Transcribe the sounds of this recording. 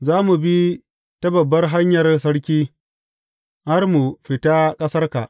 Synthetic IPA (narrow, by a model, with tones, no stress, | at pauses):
zaː˦mu˨bi˦ | tɐ˦bɐ˨bːɐ˦rɦa˦ɲjɐ˨rsɐ˦ɽkʲiː˦ | ha˦rmu˨ɸɪ˨ta˦kʼɐ˦sɐ˦rka̰˨ʔ